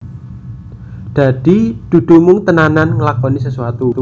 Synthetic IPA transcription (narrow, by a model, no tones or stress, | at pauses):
d̪̥a̤d̪̥id̪̥ṳd̪̥ṳmʊŋt̪ənananŋəlakɔnisəsuat̪u